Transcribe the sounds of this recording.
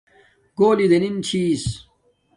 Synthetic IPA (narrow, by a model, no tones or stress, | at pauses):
ɡoːlid̪enint͡ɕʰiːs